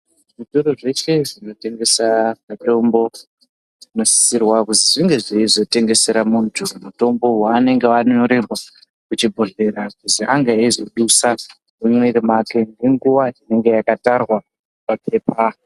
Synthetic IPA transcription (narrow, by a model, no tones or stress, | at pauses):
ʐitoɾoʐe̞t͡ʃe̞ʐino̞te̞ŋɡe̞samato̞mbo̞ | ʐino̞si̥sirwakuziʐiŋɡe̞ʐiizo̞te̞ŋɡe̞se̞ɾamuntʰumuto̞mbo̞waːne̞ŋɡeʋanoɾerwa | kut͡ʃibʱo̞ɮe̞ɾakuziʔaŋɡaizoɗusa | mumweɾimakeŋɡe̞ŋɡuʋaine̞ŋɡe̞jakatarwa | papʰe̞ːpa